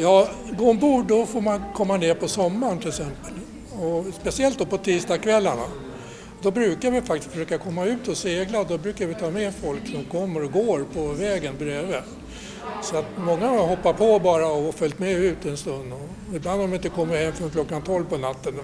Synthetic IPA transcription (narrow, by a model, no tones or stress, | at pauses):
jɑːɡoːɔnbuːɖɔfoːɾmankʰɔmːaneːɾpʰɔsɔmːaɳt̪ʰɪlɛksɛmpəl | ɔspɛsɪɛlt̪̚d̪ɔpɔt̪ʰiːsd̪ɑːkʰvɛlːaɳa | d̪ɔbɾʉ̟ːkaɾvɪfakt̪ɪ̥st̪fəʂøːkakʰɔmːaʉ̟ːt̪ɔseːɡlaɔd̪ɔbɾʉ̟ːkaɾvɪt̪ʰɑːmɛːfɔlkːnuːɡkʰɔmːəɾɔɡoːɾpʰɔvɛːɡənbɾeːvə | sɔat̪mɔŋːaɦɔpːapʰɔbɑːɾaɔfœlt̪mɛʉ̟ːt̪ɛnst̪ɵnd̪ɔ | ɪbland̪ɔmɪɪnt̪əkʰɔmːəɾhɛmːfɾɔnkʰlɔkːant̪ʰɔlvpɔnat̪ːən